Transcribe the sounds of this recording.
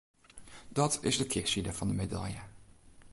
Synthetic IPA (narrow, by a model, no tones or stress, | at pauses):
d̥ɑtɪzdəkʰɪsidəvɑndəmeda̰ljə